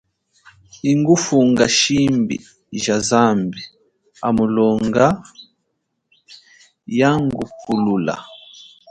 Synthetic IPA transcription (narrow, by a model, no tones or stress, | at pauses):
iŋɡufuŋɡaʃimbḭ | ʒazambi | a̰mulɔŋɡa | jaŋɡupʰulula̰